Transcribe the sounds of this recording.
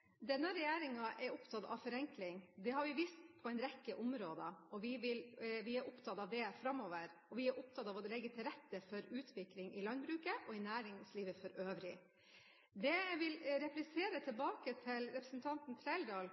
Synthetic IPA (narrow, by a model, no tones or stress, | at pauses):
d̪ɛnːəɾɛjæːɾɪŋɑʔɛɾʊpt̪ʰɑt̪ɑ̰ʋfɔɾɛŋklɪŋd̪ɛhɑɾʋɪʋiːst̪pʰɔɛɪnɾɛkːəʔʊmɾoːd̪əɔʋɪʋɪlʋɪæɾʔʊpt̪ʰɑt̪ɑʋd̪ɛfɾɑmoːʋəɾɔʋɪæɾʔʊp̚t̪ʰɑt̪ɑʋɔlɛɡːət̪ʰɪlɾɛt̪ːəfɔɾʉːt̪ʰʋɪklɪŋɪlɑnbɾʉːkəʔɔɪnæːɾɪŋsliːʋəfɔɾøːʋɾɪ | d̪ɛʋɪlɾɛplɪseːɾət̪ʰɪlbɑːkət̪ʰɪlɾɛpɾəsn̩t̪ʰɑnt̪nt̪ʰɾɛɪld̪ɑːl